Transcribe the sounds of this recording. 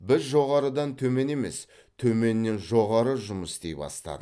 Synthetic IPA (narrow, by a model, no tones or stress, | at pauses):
bɪzʒo̞ʁɑɾəd̪ɑnt̪ʰɵme̞ne̞me̞̰s | t̪ʰɵme̞nːe̞nʒo̞ʁɑɾəʒʊməst̪ejpɑ̰st̪ɑ̰d̪ə